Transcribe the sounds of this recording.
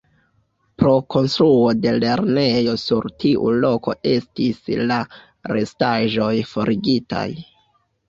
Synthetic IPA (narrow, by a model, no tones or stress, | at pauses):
pɾo̞ko̞nstɾuo̞de̞le̞ɾne̞jo̞suɾtiʔṵlo̞ko̞̰ʔe̞stisla | ɾe̞staʒo̞jfo̞ɾʔiɡita̰j